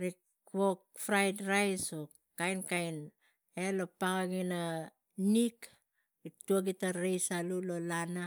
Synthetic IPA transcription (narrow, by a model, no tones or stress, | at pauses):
ɾik | wok̚fɾajdɾajso | kajnkajn | elopaŋaɡina | nik | ituaɡitaɾejsalulolana